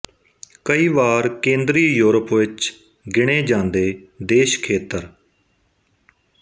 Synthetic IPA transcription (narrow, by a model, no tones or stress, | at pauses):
kəiːʋaːɾkẽːnd̪ɾiːjuːɾəpʋɪt͡ʃ | ɡɪɽ̃eːd͡ʒãːnd̪eːd̪eːʃkʰeːt̪əɾ